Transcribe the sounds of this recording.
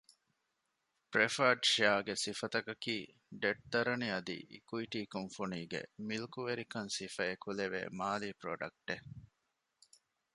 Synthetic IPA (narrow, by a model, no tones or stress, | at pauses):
pɾefɐɾɖʃeaːɡesifɐt̪ɐkɐkiː | ɖeʈ̚d̪ɐɾɐniɐd̪ḭʔḭkuiʈiːkoŋfuniːɡḛmilukuʋeɾikɐnsifɐekuleʋḛːmaːlipɾo̰ɖɐk̚ʈe